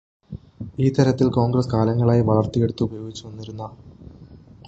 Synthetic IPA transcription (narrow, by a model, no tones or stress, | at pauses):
iːt̪ːɐɾɐt̪ːilko̞ːŋɡɾrɐskaːlɐŋːɐɭaːjiʋɐɭɐrt̪ike̞ɽut̪ːuubɐjo̞ːɡit͡ɕːuʋɐnːiɾunːɐ